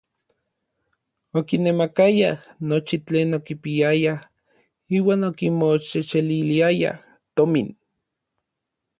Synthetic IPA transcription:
okinemakajanot͡ʃit͡ɬeːnokipiaja | iːwaːnokimot͡ʃet͡ʃeliliaja̰ | t̪omin

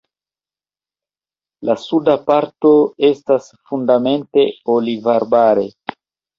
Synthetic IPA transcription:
lasudapaɾto̞e̞stasfundame̞nte̞olivaɾbaɾe̞̰

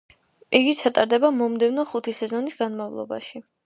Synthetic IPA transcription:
pʼiɡit͡ʃʰat̪ʼaɾd̪ɛbamɔmd̪ɛvnɔχut̪ʰisɛzɔnisɡanmavlˠɔ̰ba̰ʃi

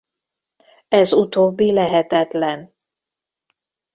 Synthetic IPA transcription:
ɛzut̪oːbːilɛɦɛt̪ɛt̪lɛn

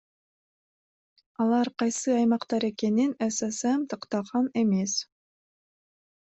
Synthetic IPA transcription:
ɑlˠɑɾqɑjsɯɑjmɑqt̪ɑɾeke̞ninæsæsæmt̪ʰɑqt̪ɑʁɑnemes

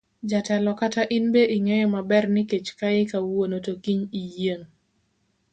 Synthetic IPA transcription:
d͡ʒatɛlɔkataʔɪnbeʔɪŋejɔmabɛrnɪket͡ʃkaekawwonotokiɲijeŋ

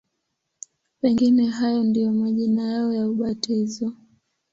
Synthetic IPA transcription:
pɛŋɡinɛɦajɔndijɔmaʄinajaɔjauɓatizɔ

